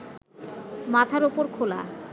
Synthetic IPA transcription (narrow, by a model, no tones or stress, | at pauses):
mat̪ʰaɾopoɾkʰola̰